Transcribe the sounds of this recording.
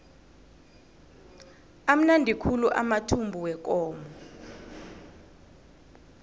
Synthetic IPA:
am̩nandʱikʰuluʔa̰matʰumbʱuwɛk̬ɔːmɔ

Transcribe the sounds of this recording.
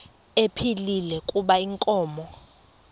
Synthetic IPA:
epʰililɛkʼuɓaiŋkʼɔːmɔ

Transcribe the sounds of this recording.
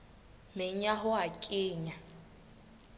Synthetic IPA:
mɪɲaɦʊakʼɪːɲa

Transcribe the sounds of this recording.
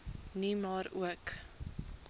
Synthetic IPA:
nimɑːɾṵək

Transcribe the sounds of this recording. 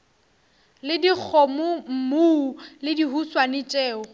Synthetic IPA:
lɪdik͡xʰɔmʊm̩muulɪdiɦuswanɪt͡ʃʼɛːɔ

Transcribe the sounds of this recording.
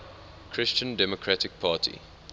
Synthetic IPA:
kʰɹɪst͡ʃə̃ndɛmɔkʰɹatɪk̚pʰaːtʰḭ

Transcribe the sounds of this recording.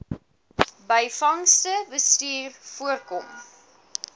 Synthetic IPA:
bəjfɐŋstəbəstiːrfuərkɔm

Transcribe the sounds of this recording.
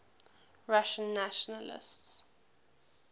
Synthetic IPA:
ɹaʃə̃nːaʃɔnəlɪ̰sts

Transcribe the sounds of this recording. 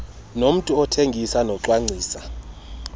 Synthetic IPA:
nom̩tʼuɔtʰeŋɡʱisanɔǃwaŋ͡ǀʱiːsa

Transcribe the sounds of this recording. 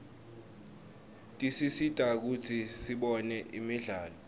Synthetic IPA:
tʼisisitʼak̬ut͡sʰisiɓɔnɛʔimiɮaːlɔ

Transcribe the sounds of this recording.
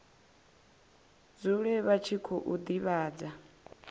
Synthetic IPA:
d͡zuɺɛβat͡ʃʰikʰɔʔud̪iβaːd͡za

